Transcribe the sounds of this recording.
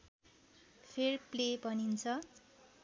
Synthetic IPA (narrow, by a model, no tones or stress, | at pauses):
pʰerplebʌnint͡sʰʌ